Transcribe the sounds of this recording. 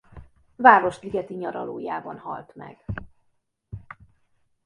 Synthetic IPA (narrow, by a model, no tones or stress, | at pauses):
vaːɾo̞ʃt̪liɡɛt̪iɲɒɾɒloːjaːbɒnɦɒ̰lt̪mɛ̰ɡ̥